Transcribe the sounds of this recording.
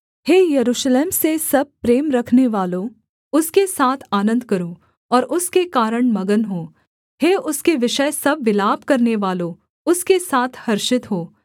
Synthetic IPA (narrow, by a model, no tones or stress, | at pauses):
heːjɐɾuːʃleːmsesɐb̚pɾeːmɾɐkʰneʋaːlo | ʊskesaːt̪ʰaːnə̃nd̪̚kɐɾũː | ɔːɾʊskekaːɾəɽ̃mɐɡənɦoː | heːʊskeʋɪʃəjsɐbʋɪlaːb̚kɐɾneʋaːlõ | ʊskesaːt̪ʰhɐɾʃɪt̪ɦoː